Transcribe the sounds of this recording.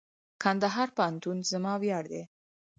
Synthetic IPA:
kʰand̪aɦɑɾpaant̪unzəmɑwjɑɽd̪e

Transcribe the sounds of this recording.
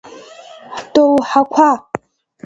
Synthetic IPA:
ħdʼowħakʷʰa

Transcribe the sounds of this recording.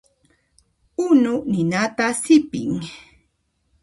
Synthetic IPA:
ʊnʊnɪnat̪asɪpɪ̰ŋ

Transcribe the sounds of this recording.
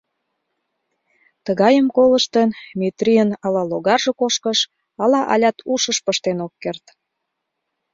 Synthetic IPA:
t̪əɣɑjəmkoləʃt̪ənmet̪riənɑlɑloɣɑrʒekoʃkəʃ | ɑlɑʔɑ̰lʲɑt̪ʰuʃəʃpəʃt̪enokːert̪

